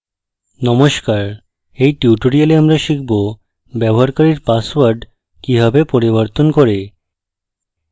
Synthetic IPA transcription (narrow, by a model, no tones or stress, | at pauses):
nɔmoʃkaɾ | ejʈjuʈoɽialeamɾaʃikʰbo | bɛbɔɦaɾkaɾiɾpaswaɾɖ | kiɦabepoɾibɔɾt̪onkɔɾe